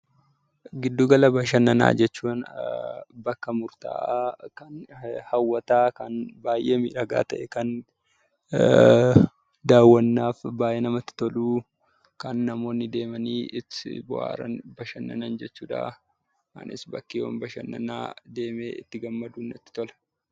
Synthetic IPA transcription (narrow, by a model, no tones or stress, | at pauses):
ɡɪd̪ːuːɡɐlɐbɐʃɐnːɐna̰ːd͡ʒɛt͡ʃːuːn | bɐkːɐmʊɾt̪a̰ːʔaːkɐnhɐwːɐt̪aːkɐnbaːjʔeːmḭːɾɐɡa̰ːt̪ɐʔɛkɐn | d̪aːwːɐnːaːfbaːjʔeːnɐmɐt̪ːɪ̥t̪ɔluː | kɐnːɐmo̞ːnːɪd̪e̞ːmɐniːʔɪtbʊʔa̰ːɾɐ̰nbɐʃɐnːɐnɐnd͡ʒɛt͡ʃːuːᶑa̰ː | kɐ̰nɪ̰sbɐkːiːwɐ̰mbɐʃɐ̰nːɐna̰ːd̪e̞ːmḛːɪt̪ːɪɡɐmːɐd̪uːnːɐt̪ːɪ̥t̪ɔlɐ̥